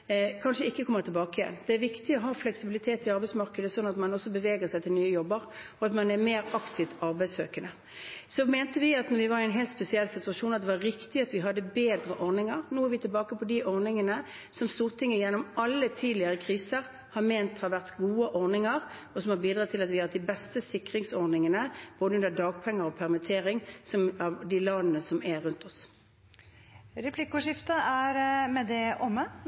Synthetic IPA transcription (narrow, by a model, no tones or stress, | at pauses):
kʰɑnʂəɪkːəkʰɔmːəʁt̪ʰɪlbɑːkəjɛ̰nːd̪̥ɛæɾʋɪkt̪ɪɔɦɑːflɛksɪbɪlɪt̪ʰeːt̪ɪɑɾbæɛɪsmɑʁkəd̪əsɔnːɑt̪mɑnɔsːɔbəʋeːɡəʁsæɪt̪ʰɪlnyːəjɔbːəɾɔɑt̪mɑnæmeːɾɑkt̪ʰɪʋt̪ʰɑɾbæɪsøːkənə | sɔmeːnt̪əʋɪɑt̪nɔɾʋɪʋɑɾɪɛnɦeːlt̪spɛsɪɛlːsɪt̪ʉɑʂuːnɑt̪d̪ɛʋɑɾɪkt̪ɪɑt̪ʋɪɦɑd̪ːəbeːd̪ɾəʔɔʁnɪŋəɾnoːæɛɾʋɪt̪ʰɪlbɑːkəpʰɔd̪ɪʔɔʁnɪŋənə | sɔmst̪uːʁt̪ʰɪŋːəjɛnːɔmɑlːət̪ʰiːd̪lɪəʁəkʰʁiːsəʁ | hɑɾmeːnt̪hɑɾʋæʁt̪ɡuːəʔɔʁnɪŋəʁ | ɔsɔmhɑɾbiːd̪ʁɑːt̪ʰːɪlɑt̪ʋɪɑːt̪d̪ɪbɛst̪əsɪkʁɪŋsɔʁnɪŋənəb̥oːd̪əʉnd̪əd̪ɑːɡ̚pʰɛŋːəɾɔpʰæʁmɪt̪ʰeːʁɪŋsɔmɑʋd̪ɪlɑd̪ənəsɔmæɾʉnt̪ʰɔs | ɾɛpʰlɪkʊʂɪft̪əæɾmɛd̪ɛʔɔmːə